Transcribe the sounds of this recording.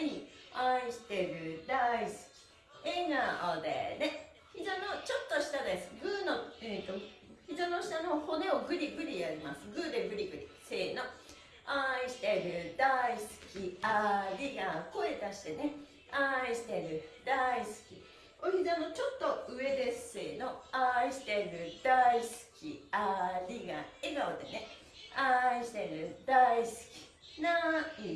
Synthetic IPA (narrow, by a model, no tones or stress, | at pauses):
eɲiaiɕi̥t̪e̞ɾɯ̟d̪aisɨ̥kʲi̥ | eɡaod̪ḛne̞ | çid̪ano̞t͡ɕo̞t̪ːo̞ɕi̥t̪ad̪e̞sɨ̥ɡɯ̟ːnot̪oçid̪ono̞ɕi̥t̪ano̞ho̞ne̞oɡɯ̟ɾʲiɡɯ̟ɾʲijaɾʲimasɨɡɯːd̪eɡɯ̟ɾʲiɡɯ̟ɾʲise̞ːno | aiɕi̥t̪e̞ɾɯ̟d̪aisɨ̥kʲiaɾʲiɡako̞e̞t̪aɕi̥t̪e̞ne̞ | aiɕi̥t̪e̞ɾɯ̟d̪aisɨ̥kʲi | oid̪eano̞t͡ɕo̞t̪ːo̞ɯ̟e̞d̪e̞sɨ̥se̞ːno̞aiɕi̥t̪e̞ɾɯ̟d̪̥aisɨ̥kʲḭaɾʲiɡa̰eɡaod̪ene | aiɕi̥t̪e̞ɾɯ̟d̪̥aisɨ̥kʲi̥ | nai